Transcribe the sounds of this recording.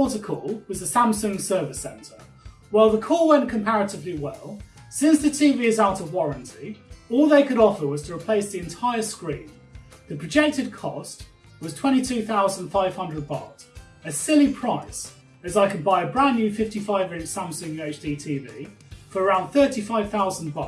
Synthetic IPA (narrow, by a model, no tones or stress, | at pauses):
ɔˑtəkʰɔlˠwɒzðəsãmsə̃ŋsɜːvɪsɛ̰̃ntʰə | waɪlˠðəkʰɔːlˠwɛ̃nkʰə̃mpʰaɹətɪvliwɛlˠ | sɪ̃nsðətʰiːviːɪzaʊtəvwɒɹə̃ntʰiɔːlˠðeɪkəɾɒfəwɒz̥tʰəɹɪpʰl̥eɪsðiɨ̃ntʰaɪəskɹĩːn | ðəpʰɹ̥əd͡ʒɛk̚tɪd̚kʰɒst | wɒz̥tʰw̥ɛ̃ñtitʰʉːθaʊzə̃n̥faɪv̥hʌ̃ndɹəd̚bɑ̰ˑt | əsɪlipʰɹ̥aɪs | əzaɪkʰəd̚baɪəbɹãnjʉfɪftifaɪvɹɪ̃sãmsə̃ŋjʉeɪt͡ʃd̥iːtʰiːviː | fəɹəɹãʊ̃nθɜˑtifaɪv̥θaʊzə̃nbɑ̰ˑ